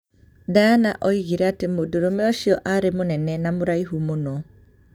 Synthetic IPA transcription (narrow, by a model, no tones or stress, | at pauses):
daanaʔɔiɣiɾɛatemodoɾomɛɔʃiɔʔaɾemonɛnɛnamoɾaiɦumonɔ